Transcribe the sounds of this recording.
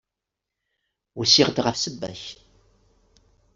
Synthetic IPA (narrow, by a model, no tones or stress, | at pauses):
ʊsiʁd̪ʁəfsəbːæ̰ç